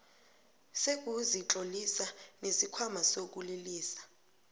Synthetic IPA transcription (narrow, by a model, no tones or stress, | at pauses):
sek̬ʼuzit͡ɬʼolisanesikʰwamasok̬ʼuliliːsḁ